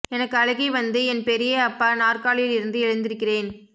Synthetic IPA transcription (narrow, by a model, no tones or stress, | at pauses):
ɛnɐkːɯɐɻɐɣɐɪʋɐnd̪ɯɛnpɛɾɪjɐɐpːaːnaːrkaːɭɪjɪɭɪɾɯnd̪ɯɛɻɐnd̪ɪɾɯkːɪreːn